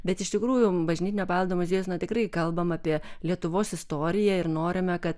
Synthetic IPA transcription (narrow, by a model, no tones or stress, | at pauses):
bʲɛt̪ɪʃʲt̪ʲɪkɾuːjʊbɐʒʲnʲiːt̪ʲɪnʲɛːpɑːlˠd̪oːmʊzʲeːjoːsnɐt̪ʲɪkrɐɪkɐlˠbɐmɑːpʲiɛlʲiɛt̪ʊʋoːsɪst̪oːɾʲɪjɛɪrnoːɾʲɪmʲɛkɐt̪